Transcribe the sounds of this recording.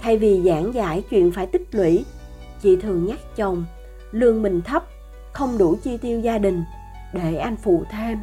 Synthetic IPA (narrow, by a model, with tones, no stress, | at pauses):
t̪ʰa˧jvi˨˩zaː˧˦ŋzaː˧˥jt͡ɕwḭ˧˨ənfaː˧˩jt̪ï˦˥k̚lwḭ˧˥ | t͡ɕḭ˧˨t̪ʰɨ˨˩əŋɲaː˦˥k̚t͡ɕə˨˩wŋ͡m | lɨ˧əŋmï˨˩ŋ̟t̪ʰə˦˥p̚ | xə˧wŋ͡mɗu˧˩t͡ɕi˧t̪i˧əwzaː˧ɗï˨˩ŋ̟ | ɗe˧˩ʔa˧jŋ̟fṵ˧˨t̪ʰe˧m